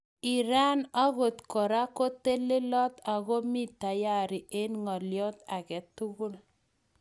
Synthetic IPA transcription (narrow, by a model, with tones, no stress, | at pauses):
i˨ɾa˦na˦ɣo˨tkɔ˨ɾa˦ko˦te˦le˦lɔ˦ta˨ɣo˦mi˦ta˨ja˦ɾi˨ʔe˦nŋɔ˨ljɔ˦ta˨kɛ˨tu˦ɣu˦l